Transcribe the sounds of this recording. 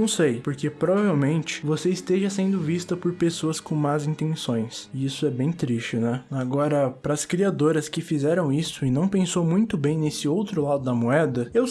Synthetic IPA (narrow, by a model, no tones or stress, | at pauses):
ɐ̃w̃sejpoɾkepɾobavewmẽnt͡ʃɪ̥voseist̪eʒɐsẽnd̪ʊvist̪ɐpoɾpesoɐskõw̃mazĩnt̪ẽsõj̃sɪisʊɛbẽj̃t̪ɾist͡ʃɪnɛaɡɔɾɐpɾɐːskɾiad̪oɾɐskɪfizɛɾɐ̃w̃isʊɪnɐ̃w̃pẽsowmũj̃t̪ʊbẽj̃nesɪowt̪ɾʊlad̪ʊd̪ɐmoɛd̪ɐew